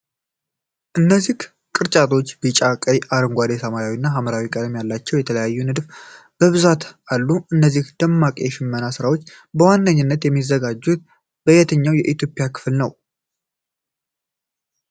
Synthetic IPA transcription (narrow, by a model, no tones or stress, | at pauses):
ʔɨnːəzːih | kʼɨɾt͡ʃʼat̪ʰo̞t͡ʃːbɨt͡ʃʼakʼəjʔaɾɨŋɡʷad̪esamajawinːaɦaməɾawikʼəd̪mijalːat͡ʃːɛwjɛt̪ʰələjajːunɨd̪f | b̥əβɨzat̪alːuɨnːəzːihd̪̥əmːakʼijɛʃɪmːənasɨɾawo̞t͡ʃː | bəwanːəɲːɪnːət̪jɛmːizːəɡad͡ʒːut̪̚ | bəjɛt̪ʰəɲːawjɛʔit̪ʰjo̞pʼɪjakʰɨ̥flnəw